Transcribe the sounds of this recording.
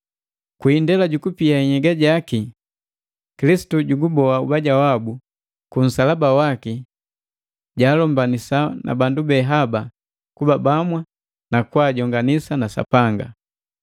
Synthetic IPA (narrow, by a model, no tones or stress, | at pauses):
kwiːndɛlaɟukupiaiɲɛɡaɟaki | kilisi̥tuɟuɡubɔaubaɟawabu | kun̩salabawaki | ɟaːlɔmbanisana̰bandubɛɦaba | kubabamwa | nakwaːɟɔŋɡanisanasa̰paŋɡa̰